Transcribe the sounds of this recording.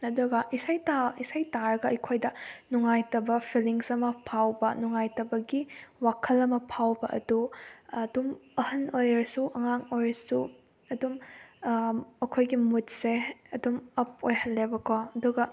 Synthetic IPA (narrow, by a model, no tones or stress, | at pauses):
ɐduɡɐʔisajtaisajtaɾɐɡɐɐjkʰojdɐnuŋajtɐbɐpʰiliŋsɐmɐpʰawbɐnuŋajtɐbɐɡiwakʰɐlɐmɐpʰawbɐʔɐ̰dudumɐhɐnojɾɐsuʔɐŋaŋojɾsu | ɐdum | ɐkʰojɡimutseɐdumɐp̚ojhɐlːebɐkoɐduɡɐ